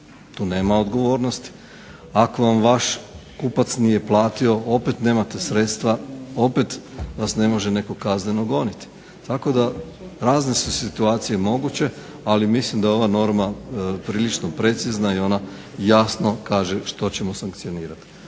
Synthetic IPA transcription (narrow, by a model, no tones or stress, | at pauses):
t̪uːne̞ːmaod̪ɡo̞ʋo̞ːɾnost̪i̥ | ako̞ʋamʋaʃkupat̪snije̞plˠaːt̪io̞o̞pe̞t̪ne̞ːmat̪e̞sɾe̞t̪st̪ʋao̞pe̞t̪ʋasne̞mo̞ʒene̞kokaznenoɡo̞nit̪i̥ | t̪ako̞d̪a | ɾaːznesusit̪uaːt̪sije̞mo̞ɡut͡ɕe̞ | alimislimd̪aeo̞ʋano̞ɾmapɾiːlit͡ʃno̞pɾe̞t̪siznaio̞na | jasno̞kaːʒe̞ʃt̪o̞t͡ɕe̞mosaŋk̚t̪sio̞niːɾat̪i̥